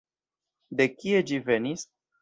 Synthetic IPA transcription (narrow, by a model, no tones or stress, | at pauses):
d̪ekʲied͡ʒivenis